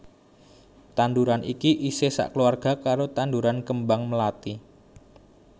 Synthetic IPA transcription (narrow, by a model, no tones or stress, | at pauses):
t̪anduɾanʔikiʔisesa̰ʔkəluarɡ̥a̤kaɾot̪anduɾankəmbaŋməlat̪i